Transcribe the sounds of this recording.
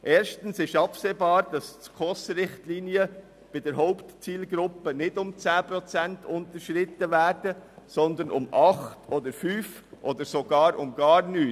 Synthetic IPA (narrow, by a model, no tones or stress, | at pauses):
ʔɛːɾʃtən̩sɪʃɑpseːbɑːɾd̥ɑskʰɔsɾɪχtliːniə | b̥ɪdɛɾɦɔʊptt͡siːlɡɾʊpənɪdʊmt͡sæːpɾɔt͡sɛntʰʊntəʃɾɪtəvæːɾdəsɔnd̪ənʔʊ̰mɑχtʰod̪əɾfyːfʔoːd̪əɾsoɡɑːɾʊmɡɑːɾnyː